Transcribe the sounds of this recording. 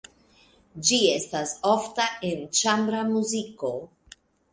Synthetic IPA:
d͡ʒie̞staso̞ftae̞nt͡ʃambɾamuziko̞

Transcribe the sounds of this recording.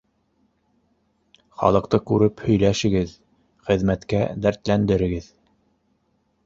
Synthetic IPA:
χɑ̰lˠɤ̆q̚t̪ɤkʉɾɘphɵ̆jlæʃɘ̆ɡɘð | χɘ̆ðmæt̪kæd̪æɾt̪lænd̪ɘ̆ɾɘ̆ɡɘð

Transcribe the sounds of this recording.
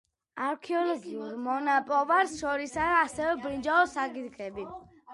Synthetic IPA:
aɾkʰiɔlɔɡiuɾmɔnapʼɔʋaɾstɔɾisaasəbɾĩd͡ʒaɔsaɡit̪kɛbi

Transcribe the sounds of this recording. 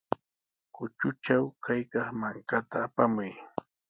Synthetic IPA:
kʊt͡ʃʊt͡ʃawkajkɑχmaŋkat̪aːpamʊj

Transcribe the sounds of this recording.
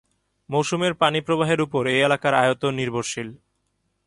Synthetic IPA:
mowʃumeɾpanipɾobaɦeɾupoɾejelakaɾajot̪oniɾbʱoɾʃil

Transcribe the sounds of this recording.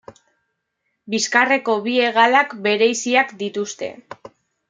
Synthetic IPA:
biskare̞ko̞βie̞ɣ̞alakbe̞ɾe̞jsiakd̪it̪ust̪e̞̰

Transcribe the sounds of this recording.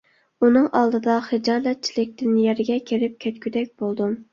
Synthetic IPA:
unɨŋɑlˠd̪ɨd̪ɑχɨd͡ʒɑlˠɛt̪̚t͡ʃʰilɪk̚ʲt̪ɪnjɛɾɡʲɛkʲʰiɾɪp̚kʲʰɛt̪kʲyd̪ɛk̚ʲb̥olˠd̪um

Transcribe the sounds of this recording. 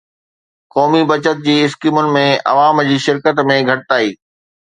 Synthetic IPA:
kɔːmibɐt͡ɕət̪̚d͡ʑiːɪskiːmʊnɪ̆mẽɐ̰ʋaːmd͡ʑiːʃɪɾkət̪mẽɡʱɐʈɪt̪aːiː

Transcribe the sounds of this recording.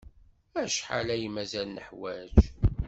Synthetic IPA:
æʃħa̰læjimæzælnəħwæd͡ʒ

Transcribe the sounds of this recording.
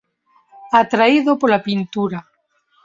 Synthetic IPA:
at̪ɾaiðopolapint̪uɾa

